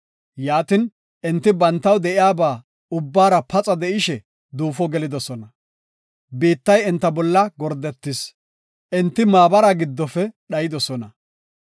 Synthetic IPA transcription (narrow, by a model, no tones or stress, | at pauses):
jaːt̪ɪn | ʔɛnt̪ːɪbɐnt̪ːɐwd̪ɛʔɪjaːbaː | ʊbːaːɾɐpɐt͡sʼɐd̪ɛʔɪʃɛ | d̪uːfɔɡɛlɪd̪ɔsɔnɐ | biːt̪ːɐjɛnt̪ːɐbɔlːɐɡɔɾd̪ɛt̪ːɪs | ʔɪnt̪ːɪmaːbɐɾaɡɪd̪ːɔfɛɗɐjɪd̪ɔsɔnɐ